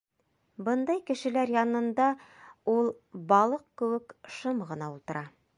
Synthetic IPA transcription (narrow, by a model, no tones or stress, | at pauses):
bɤnd̪ɑjkɘ̆ʃɘ̆læɾjɑnɤ̆nd̪ɑulˠ | bɑlˠɤq̚kɘ̆wɘkʃɤmʁɤ̆nɑulˠt̪ɤ̆ɾʔɑ